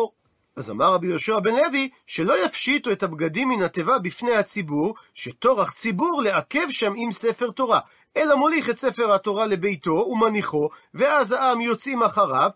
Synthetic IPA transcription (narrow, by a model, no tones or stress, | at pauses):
aza̰maʁabijo̞ʃuabe̞nle̞viʃe̞lo̞jafʃituetabɡadimːinhatevabifnejhat͡sibuʁʃet̪o̞ʁaχt͡sibuʁle̞ake̞vʃamimsefe̞ʁt̪o̞ʁa | e̞lamoliχetse̞fe̞ʁato̞ʁale̞be̞jto̞umaniχo̞veazhaamjo̞t͡simaχaʁav